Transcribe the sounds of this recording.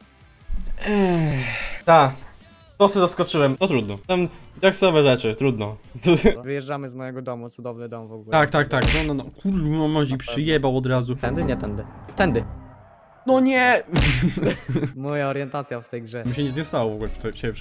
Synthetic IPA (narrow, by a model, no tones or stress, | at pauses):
ɛ | t̪a | t̪ɔsɛzaskɔt͡ʂɘwɛmnɔt̪ɾud̪nɔt̪amd̪aksɔvɛʐɛt͡ʂɘt̪ɾud̪nɔ | vɨjɛʐd͡ʐamɘzmɔjɛɡɔd̪ɔmut̪sud̪ɔvnɨd̪ɔmvɔɡulɛt̪ak̚t̪ak̚t̪aknɔnɔnɔkʰuɾɔmɔʑipʂʂɨjɛbawɔd̪ɾazuɛnd̪ɘɲɛt̪ɛnd̪ɘt̪ɛnd̪ɘ | nɔɲɛ | mɔjaɔɾjɛnt̪at̪sʲjaft̪ɛjɡʐɛmɕ̬ɛɲɛzɲɛst̪awɔvɔɡulɛ̥t̪ɔɕɛbʲɛpʂ